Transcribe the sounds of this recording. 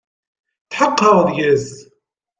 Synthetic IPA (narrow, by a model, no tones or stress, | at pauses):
t̪ħəqːɑðjɪz